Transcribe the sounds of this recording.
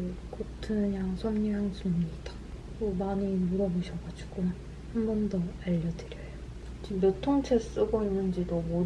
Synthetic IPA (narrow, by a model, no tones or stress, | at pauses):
kotʰɯɲaŋsʰomɲujaŋsʰumɲidḁ | komaɲinuɾʌbuɕʰʌɡad͡ʑu̥ɡon | hambʌndʌaʎːʌdɯɾjʌjo | t͡ɕimjotʰoŋt͡ɕʰes͈uɡoinːɯnd͡ʑidomo